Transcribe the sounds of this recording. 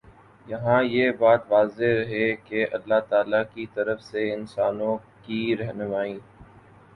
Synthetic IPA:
jɐɦãjebaːt̪ʋaːzeɾɦekeʔɐ̰lːat̪aːlakit̪ɐɾəfseɪnsaːnõkiɾɛɦnʊmaːĩː

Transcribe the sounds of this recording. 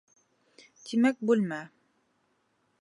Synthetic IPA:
t̪imæk̚bʉlmæ

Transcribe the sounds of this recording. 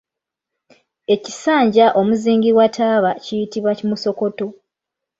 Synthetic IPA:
e̞cisaːɲɟaʔo̞muziːŋɡiɾwatʰaːβacijitiβwacimuso̞ko̞to̞

